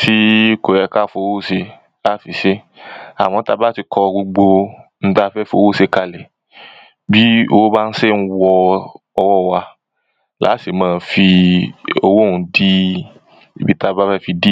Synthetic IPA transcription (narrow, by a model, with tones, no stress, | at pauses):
si˦ko˨ɾɛ˧ka˦˨fo˧wo˦se˧ | a˦˨fi˨ʃe˦ | a̰˨w̃ɔ̃˧˦ta˧ba˦ti˧kʰɔ˧ɡ͡bo˧ɡ͡bo˧n̩˦ta˦fɛ˦fo˧˦wo˦se˧ka˨lɛ˨ | bi˦o˧wo˦ba˦n̩˦se˦˨ñ̩˧˦wɔ˧ | ɔ˧wɔ˦˨wa˧ | la̰˨˦se˨mãː˦˧fi˧ | o˧wo˦˨ũ˧˦di˦ | i˨bi˨˦ta˧ba˦fɛ˦˨fi˧di˦